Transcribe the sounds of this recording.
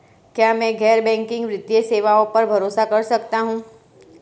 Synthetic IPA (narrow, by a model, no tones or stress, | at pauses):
kjaːmɛ̃ːɡʱɛːɾbɛ̃ːŋkɪ̃ŋɡʋɾɪt̪jeseːʋaõpɐɾbʱɐɾoːsakɐɾsɐkt̪aɦũː